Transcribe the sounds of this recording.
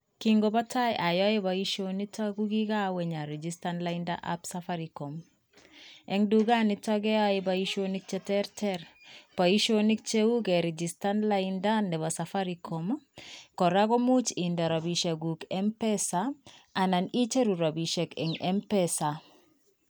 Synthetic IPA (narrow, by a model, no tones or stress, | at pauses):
kiŋɡobatʰajʔajɔebaiʃonitaɡuɡiɡaweɲaɾed͡ʒistanlainda̰ʔa̰psafaɾikɔm | eŋduɡanitaɡeajebaiʃonik̚t͡ʃɛtɛɾtʰɛɾpaiʃonik̚t͡ʃeuɡɛɾid͡ʒistanlaindandɛβasafaɾikʰɔmkɔɾaɡomut͡ʃindaɾabiʃeɡukɛmpesaananit͡ʃeɾuɾabiʃekɛ̰ŋɛmpɛsa